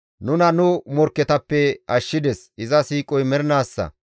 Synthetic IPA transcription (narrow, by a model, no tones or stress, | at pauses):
nʊnɐnʊmɔɾkːɛt̪ɐpːɛɐʃːɪd̪ɛsʔɪzɐsiːkʼɔjmɛɾɪnaːsːɐ̰